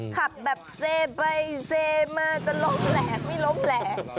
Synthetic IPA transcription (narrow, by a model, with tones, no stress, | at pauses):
kʰa˨˩p̚bɛː˨˩p̚seː˧pa˧jseː˧maː˧t͡ɕa˨˩lo˧˥˩mlɛː˩˦k̚ma˧˥˩jlo˦˥˩mlɛː˨˦˩k̚